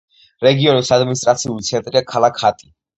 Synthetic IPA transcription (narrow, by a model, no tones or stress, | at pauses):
ɾɛɡiɔnisad̪minist̪ʼɾat̪sʰiulit̪sʰɛnt̪ʼɾiakʰalakʰhat̪ʼi